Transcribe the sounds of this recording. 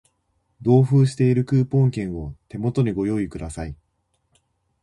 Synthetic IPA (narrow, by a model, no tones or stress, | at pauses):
d̪o̞ːɸɯ̟ːɕi̥t̪e̞iɾɯ̟kɯ̟ːpõ̞ŋkẽ̞ɰ̃o̞t̪e̞mo̞t̪o̞ɲ̟iɡo̞jo̞ːikɯ̟d̪asai